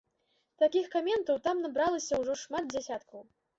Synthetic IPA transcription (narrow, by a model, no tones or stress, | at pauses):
t̪akʲixkamʲɛnt̪ɐwt̪amnabɾalˠɐsʲɐwʐɔʂmad̪̚d͡zʲasʲat̪kʰɐw